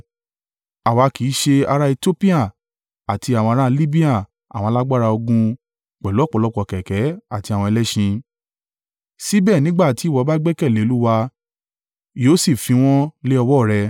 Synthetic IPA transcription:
a˨wa˨˧ki˨˦ʃe˧a˧ɾa˧i˧to˦pi˦a˦˨ | a˨ti˧a˨w̃ɔ̃˧ɾ̃ã˦˧li˦bi˦a˦˨ | a̰˨w̃la˦ɡ͡ba˦ɾa˧o˧ɡũ˧ | k͡pɛ˨lo˨˦˨k͡pɔ˨˧lɔ˦k͡pɔ˧˨kɛ˨kɛ˨˦a˦˨ti˧a˨w̃ɔ̃˧ɛ˧lɛ˦ʃĩ˧ | si˦bɛː˦˨nĩ˨˦ɡ͡ba˦˨ti˨˦˨wɔ˨˦ba˦ɡ͡bɛ˦kɛ˦˨le˨˦o˦˧lu˦wa˧ | joː˨˦si˦˨fĩ˧w̃ɔ̃˦le˦ɔ˧wɔ˦˨ɾɛ˧

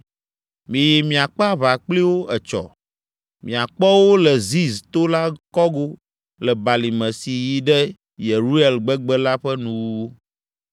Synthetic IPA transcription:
mĩ˨jɛ˨mĩ˨a˨k͡pa˦βa˨k͡pli˦wo˦ʔɛ˨t͡ʃɔ̰˨ | mḭ̃˨a˨k͡pɔ˦wo˦lɛ˨zi˦st̪o˦la˦kɔ˦ɡo˦ | lɛ˨ba˨li˨mɛ̃˨si˨ji˦ɖɛ˦ | je˨ɾu˦e˨lɡ͡bɛ˦ɡ͡bɛ˦la˦ɸɛ˦nũ˦wo˦

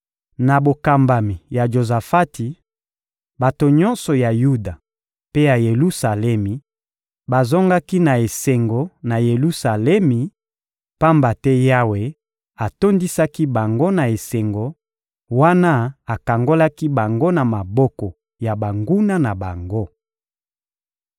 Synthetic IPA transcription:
na˨bo˨ka˨mba˨mi˨ja˨ʒo˨za˨fa˦ti˨ | ba˨to˨ɲɔ̃˦nsɔ˨ja˨ju˦da˨ | pe˦ja˨je˨lu˦sa˨lɛ˦mi˨ | ba˨zɔ˦ŋɡa˦ki˦na˨e˨se˨ŋɡo˨na˨je˨lu˦sa˨lɛ˦mi˨ | pa˦mba˨tɛ˦ja˦we˨ | a˨to˦ndi˦sa˦ki˦ba˨ŋɡo˦na˨e˨se˨ŋɡo˨ | wa˦na˦a˨ka˨ŋɡo˦la˦ki˦ba˨ŋɡo˦na˨ma˨bɔ˦kɔ˨ | ja˨ba˨ŋɡu˦na˦na˨ba˨ŋɡo˦

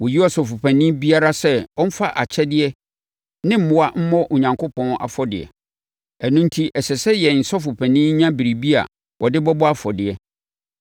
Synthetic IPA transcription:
wɔ˨ji˦ɔ˨sɔ˨fʊ˨pʰæ̃˨nĩ˦bi˦a˦ɾa˦sɛ˦wɔ˦m̩˦fa˦ʔa̰˨t͡ɕʰɛ˦dɪ˦ɛ˦ | nɪ̃˦m̩˦mʊ̃˨˦a˦m̩˦mɔ̃˦ʔɔ˨ɲã˨ŋkʰʊ˦pʰɔ̃˦na̰˨fɔ˨dɪ̰˨ɛ̰˨ | ɛ˨nũ˦n̩˦tʰi˦ʔɛ˨sɛ˨sɛ˦jɛ˨n̩˨sɔ˦fʊ˨pʰæ̃˨nĩ˦ɲã˦bi˨ɾi˨bi˦a̰˨ | wʔɔ˨dɪ˦bɔ˦bɔ˦a˦fɔ˨dɪ˨ɛ˨

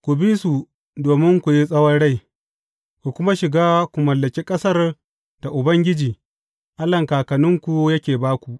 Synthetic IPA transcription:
kʷu˨bi˦su˨ | doː˨mɪ˦ŋkʷu˨ji˦sʼɐ˦wɐ˦nɽa˦˨j | kʷu˨kʷʊ˦ma˦ʃɪ˨ɡaː˦kʷu˨mɐ˨lːɐ˨kʲi˦kʼɐ˦sɐ˦r | d̥a˨ʔʊ˨bɐ˦ŋɡʲɪ˦d͡ʒiː˨ | ʔa˦lɐ˨ŋkaː˨kɐ˨nʊ˦ŋkʷu˨jɐ˦kʲeː˨baː˦kʷu˨ʔ

